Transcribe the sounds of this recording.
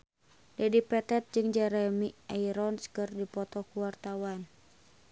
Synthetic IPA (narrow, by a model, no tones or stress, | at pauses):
dɛdipɛt̪ɛt̪̚d͡ʒɨŋd͡ʒɛɾɛmiaiɾɔnskɨrdipɔt̪ɔkuwart̪awan